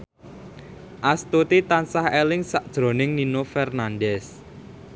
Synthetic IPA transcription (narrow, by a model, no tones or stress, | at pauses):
ʔast̪ut̪it̪ansahelɪŋsaʔd̥ʒ̥ɾo̤nɪŋninofɛrnanɖɛs